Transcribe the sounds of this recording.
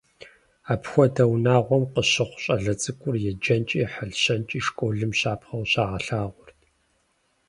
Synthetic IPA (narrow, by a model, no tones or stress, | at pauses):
aːpʰxʷɔdɐwnaːʁʷɔmqəɕɪχʷɕʼɐɮɐt͡sʼɨkʷʼʊrjɛd͡ʒɐnt͡ʃʼiːħəɮɕɐnt͡ʃʼiːʂkʷʼoːɮɨmɕaːpʰχɐwɕaːʁɐɬaːʁʷʊrt